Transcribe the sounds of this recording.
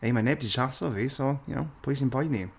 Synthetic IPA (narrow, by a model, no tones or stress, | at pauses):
ejmanɛb̚diʃʰasɔvisɔja̰wpʰʊjs̬inpʰɔjni